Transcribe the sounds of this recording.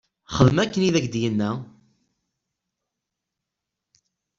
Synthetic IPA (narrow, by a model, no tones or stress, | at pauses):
χəðəmækːəniðæɡd̪jənːæ